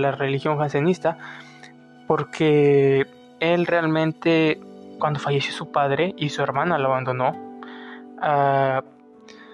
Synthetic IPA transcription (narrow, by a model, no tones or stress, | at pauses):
larelixjo̞ŋxansenist̪a | po̞ɾkʰe̞ | elre̞almẽ̞nt̪e̞kwand̪o̞faʝesjosupaðɾe̞isue̞ɾmanalaːβand̪o̞no̞ | a